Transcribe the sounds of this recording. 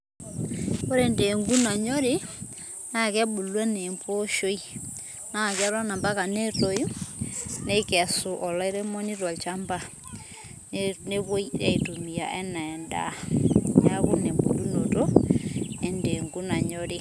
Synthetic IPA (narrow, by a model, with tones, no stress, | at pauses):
ko˦ɾe˨nde˨ŋɡu˦na˨ɲɔ˦ɾe˦ | na˦˨kɛ˦ɓu˨lwɛ˦ne˨mpo˦ʃo˦i˦ | na˦˨ka˦ɾa˦na˨mba˦ka˨ne˦to˨ju˦ | nɛ˦kɛ˨su˨ʔɔ˨lɔ˦i˦ɾe˦mɔ˦ni˦ɾwa˨lt͡ʃa˦mba˦ | ne˦βo˦i˦ɾɛ̰˦˨tu˨mi˨a̰˨ʔɛ˦na˨nda̰˦ɲa˦ku˦ne˨mbo˨lu˦no˨to˦ | ɛ˨nde˨ŋɡu˦na˨ɲɔ˦ɾe˦˨